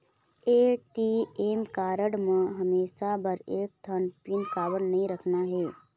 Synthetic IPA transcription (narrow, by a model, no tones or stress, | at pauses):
eːʈieːmkaːɾəɽmãɦɐmeːʃabəɾeːk̚t̪ʰənpɪnkaːʋəɽnɐɦĩɾɐkʰnaɦɛː